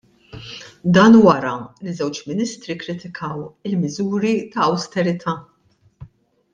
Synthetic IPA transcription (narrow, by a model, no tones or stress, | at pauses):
d̪ɐːnwɐɾɐlizɛwt͡ʃmɪnɪst̪ɾikɾɪt̪ɪkʰɐwɪlmɪzuːɾit̪ɐːwst̪ɛɾɪt̪ʰɐː